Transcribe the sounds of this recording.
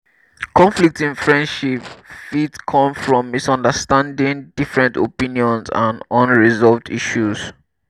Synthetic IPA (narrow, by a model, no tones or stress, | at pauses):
kʰɔ̃ɱflik̚tĩnfɹɛ̃ndʃipfitkʰɔ̃mfɹɔ̃mːisɔ̃ndəstãndĩŋdifɹɛ̃ntopĩniɔ̃nsã̰nɔ̃nɹizɔlvdiʃus